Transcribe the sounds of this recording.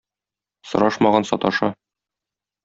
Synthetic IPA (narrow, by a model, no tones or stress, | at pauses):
sɤ̆ɾɑʃmɑʁɑnsɒ̰t̪ɑʃɤ